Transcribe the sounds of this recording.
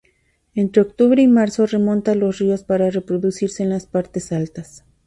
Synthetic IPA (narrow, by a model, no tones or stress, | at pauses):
e̞nt̪ɾeokt̪uβɾeimaɾso̞re̞mõ̞nt̪alosrio̞spaɾare̞pɾo̞ðusiɾse̞ːnlaspaɾt̪e̞salt̪as